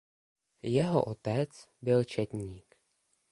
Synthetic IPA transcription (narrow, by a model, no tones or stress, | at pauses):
jɛɦo̰ʔot̪ɛt͡s | bɪlt͡ʃɛt̪ɲiːk